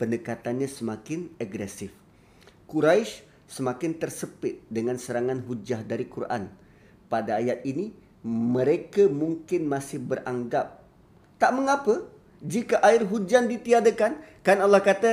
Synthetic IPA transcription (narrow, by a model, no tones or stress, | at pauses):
pəndəkat̪anɲãsəmakɪnaɡɾɛsɪf | kuɾaɪs | səmakɪnt̪ərsəpɪt̪̚dəŋansəɾaŋanɦud͡ʒahdaɾikurʔa̰n | padaːjat̪̚ini | mə̃ɾekamuŋkɪnmasɪhbərʔaŋɡap̚ | t̪aʔməŋapə | d͡ʒikaʔaɪrɦud͡ʒandit̪iadakankanalːahkat̪a